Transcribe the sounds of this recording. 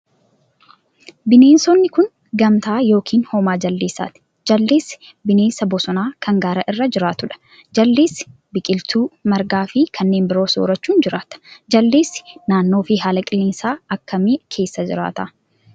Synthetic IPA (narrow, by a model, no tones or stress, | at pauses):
bɪne̞ːnsɔnːɪkʊn | ɡɐmt̪aːjo̞ːkʰiːnhɔːmaːd͡ʒɐlːeːsːa̰ːt̪ɪ̥ | d͡ʒɐlːeːs | bɪne̞ːnsɐbɔsɔnaːkʰɐŋɡaːɾɐʔɪrːɐd͡ʒɪɾaːt̪ʊᶑɐ̥ | d͡ʒɐlːeːs | bɪkʼɪlt̪ʰuːmɐɾɡaːfɪkʰɐnːe̞ːmbɪɾo̞ːso̰ːɾɐt͡ʃːuːnd͡ʒɪɾaːt̪ɐ̥d͡ʒɐlːeːsːɪ̥naːnːo̞ːfɪɦaːlɐkʼɪleːnsaːɐkːɐmeːkʰe̞ːsːɐd͡ʒɪɾa̰ːt̪ɐ̰